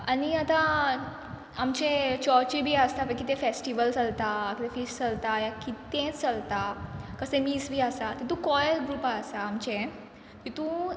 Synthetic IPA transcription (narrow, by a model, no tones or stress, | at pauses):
aniat̪ã | amt͡ɕẽt͡ɕɔɾt͡ɕibʱiːəst̪apə̃kit̪ẽfesʈiʋəlt͡səlt̪akit̪ẽfisʈt͡səlt̪ajakit̪ẽt͡səlt̪akəsẽmiːsbʱiːasat̪et̪ũkɔjlɡɾupaəsaːmt͡ɕẽ | t̪it̪ũ